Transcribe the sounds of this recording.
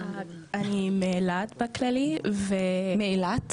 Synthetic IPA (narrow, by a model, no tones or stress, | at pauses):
animeːlat̪baklalivemeilat̪